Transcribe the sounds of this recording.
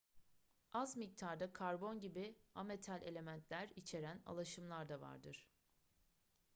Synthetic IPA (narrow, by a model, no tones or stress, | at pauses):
azmic̚t̪ʰaɾd̪akʰaɾbo̞nɟibiame̞t̪ʰælʲʔe̞lʲe̞mænt̪ʰlʲæɾit͡ʃʰe̞ɾæna̰lˠaʃɯmlˠaɾd̪ava̰ɾd̪ɯɾ̥